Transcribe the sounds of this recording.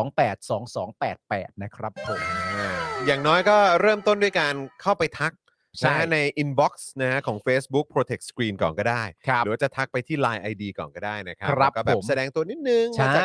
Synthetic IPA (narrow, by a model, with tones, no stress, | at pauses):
ŋpɛː˨˩t̪̚sɔː˩˦ŋsɔː˩˦ŋpɛː˨˩t̪̚pɛː˨˩t̪̚na˦˥kʰɾa˦˥pʰːo˨˩˦maː˧˩jaː˨˩ŋnɔː˦˥jkɔː˥˩ɾɤː˥˩mt̪o˥˩ndu˥˩əjkaː˧nkʰa˥˩wpa˧jt̪ʰa˦˥k̚ | t͡ɕʰa˥˦˥na˧jʔi˧nbɔ˦˥k̚sna˦˥kʰa˦˥kʰɔː˩˦ŋfeː˦˥sbu˦˥k̚pʰɾoː˧t̪ʰe˨˩k̪̚skɾiː˧nkɔ̰ː˨˩nkɔː˥˩daː˥˩jʰɯ˩˦waː˥˩t͡ɕa˨˩t̪ʰa˦˥k̚pa˧jt̪ʰiː˥˩laː˧jʔa˧jdiː˧kɔ̰ː˨˩nkɔː˥˩daː˥˩jna˦kʰɾa˦˥ɾa˧˦˥kɔː˥˩bɛː˩˦psa˧dɛː˧ŋt̪u˧ɐni˦˥t̪̚nɯ˨˧ŋa˧˦ka˧˥